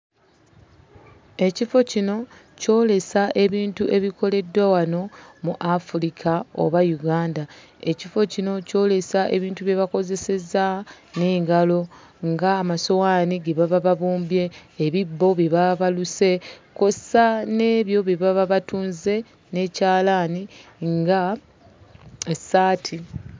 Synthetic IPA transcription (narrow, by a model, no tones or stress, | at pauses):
e̞cifo̞cino̞ | co̞ːle̞saʔe̞βiːntuʔe̞βikʰo̞le̞dːwawano̞muʔafuɾikʰao̰βajuɡaːnda | e̞cifo̞cino̞co̞ːle̞saʔe̞̰βiːntuβje̞βako̞ze̞se̞za | ne̞ːŋɡalo̞ | ŋɡaːmaso̞waːniɡe̞βaβaβaβuːmbje̞ːβibːo̞βje̞βaβaluse̞ko̞sane̞ːβjo̞βje̞βaβaβatuːnze̞ | ne̞caːlaniŋɡa | esaːtʰi